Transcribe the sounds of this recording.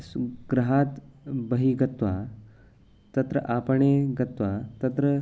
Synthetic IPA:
ɡɾɐɦaːt̪bɐɦiɡɐt̪ʋaː | t̪ɐt̪ɾə̰ʔaːpɐɳeɡɐt̪ʋat̪ɐt̪ɾə

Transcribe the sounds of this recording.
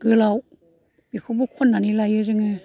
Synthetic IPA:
ɡ̥ɯlaw | b̥ikʰɯbukʰɔnːanilajɯzɯŋɯ

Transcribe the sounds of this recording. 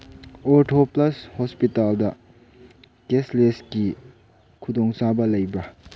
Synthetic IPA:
ɔɾʈʰoplɐshospitaldɐ | kesleski | kʰudɔŋsabɐlɐjbɐ

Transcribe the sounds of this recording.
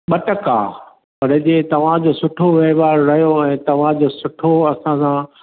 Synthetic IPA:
ɓɐʈəka̰ː | pɐɽɪd͡ʑeːt̪ɐʋ̤ãd͡ʑoːsʊʈʰoʋeɦʋaːɾɾɐɦjoɛ̃ːt̪ɐʋ̤ãd͡ʑoːsʊʈʰoɐsãsã

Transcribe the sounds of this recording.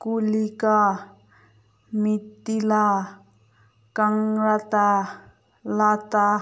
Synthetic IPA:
kulika | mit̪ːila | kaŋɾat̪a | lat̪a

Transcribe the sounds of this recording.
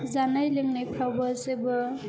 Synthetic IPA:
zanajleŋnajpʰawbɔzebɯ

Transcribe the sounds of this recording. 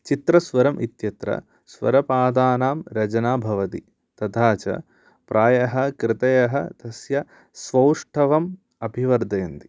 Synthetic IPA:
t͡ʃit̪ɾɐsʋɐɾɐmʔit̪jɐt̪ɾɐ̰ | sʋɐ̰ɾɐpaːd̪aːnaːmɾɐd͡ʒɐnaːbʱɐʋɐt̪ḭ | t̪ɐd̪ʰaːt͡ʃɐ̰ | pɾʔaːjɐɦɐ̆kɾɪt̪ɐjɐɦɐ̰t̪ɐsjɐ | sʋɐwʂʈʰɐʋɐm | ɐbʱiʋɐɾd̪ɐːɐnd̪i

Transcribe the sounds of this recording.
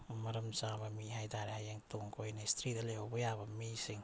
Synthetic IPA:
maɾamsabamiɦajdaɾehajaŋtuŋkʰojnajst̪ɾidalehobojabamisiŋ

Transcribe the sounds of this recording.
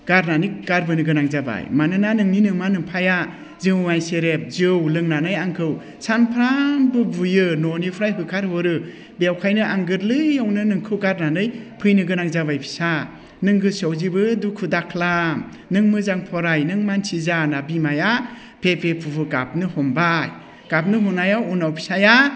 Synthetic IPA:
ɡ̥aɾnanɯjɡ̥aɾbɯnɯɡɯnaŋzaba̰jmanɯnanɯŋninɯŋmanɯŋpʰaja | zɯwmajseɾep̚zɯwlɯŋnanɯjaŋkʰɯw | sanpʰɾambɯbujɯnɔnipʰɾajɦɯkʰaɾɦoɾɯ | beawkʰajnɯʔaŋɡɯɾlɯjawnɯnɯŋkʰɯwɡaɾnanɯjpʰɯjnɯɡɯnak̚zabajpʰi̥sa | nɯŋɡɯsawzibɯdukʰudakʰlam | nɯŋmɯzaŋpʰɔɾajnɯŋmansʰizanabimaja | pʰepʰepʰubɯɡap̚nɯhɔmbaj | ɡ̥ap̚nɯɦɔnajawunawpʰi̥saja

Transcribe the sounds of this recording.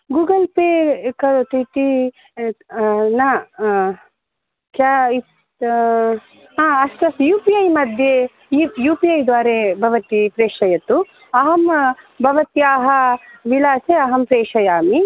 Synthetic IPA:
ɡuːɡɐlpeːkɐt̪it̪i | nɐ | kjaːi | aːɐst̪ɐsjuːpiɐjmɐd̪ʱje | jijuːpiɐjd̪ʋaːɾeːbʱɐʋɐt̪ipɾeːʂɐjɐt̪u | ɐɦɐm | bʱɐʋɐt̪jaːɦɐʋilaːseɐɦɐmpɾeːʂɐjaːmi

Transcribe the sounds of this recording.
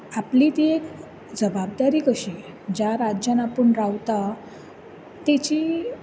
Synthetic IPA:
aplit̪iek | d͡zəbabd̪aɾiːkəɕi | d͡ʑaɾad͡ʑjanapəɳɾaʋt̪a | t̪et͡ɕi

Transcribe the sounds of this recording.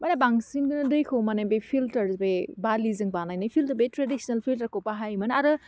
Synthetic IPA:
manabaŋsinɡɯnɯdɯjkʰɯwmanebepʰiltɐɾbebalizɯŋbanajnɯjpʰiltubetɾedisnɐlpʰiltɐɾkʰopaɦajmɯnaɾɯ

